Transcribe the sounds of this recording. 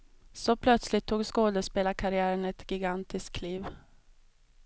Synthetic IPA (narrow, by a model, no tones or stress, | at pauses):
sɔpʰlœt̪slɪt̪ʰːuːɡskoːd̪əspeːlakʰaɾɪæːɾəɳɛt̪ɡɪɡant̪ɪskkʰːliːv